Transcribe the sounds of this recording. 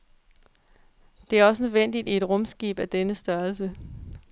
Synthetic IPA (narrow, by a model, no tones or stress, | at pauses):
d̥e̝æɐɒ̽sənøðˠʋen̰d̥id̥ie̝d̥ʁɔ̽msɡ̥iːb̥æd̥enəsd̥ɶɐls̬ə